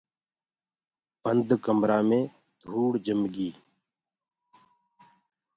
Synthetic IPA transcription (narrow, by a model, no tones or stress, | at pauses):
pənd̪kəmɾaːmẽː | d̪̥ʱuːɽd͡ʒəmɡiː